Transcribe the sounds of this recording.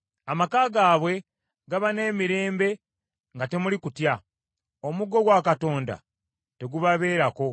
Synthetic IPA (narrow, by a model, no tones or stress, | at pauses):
amakaːɡaːβwe̞ | ɡaβane̞ːmiɾe̞ːmbe̞ | ŋɡate̞mulikutja | o̞muɡo̞ɡwaːkato̞ːnda̰ | te̞ɡuβaβe̞ːɾako̞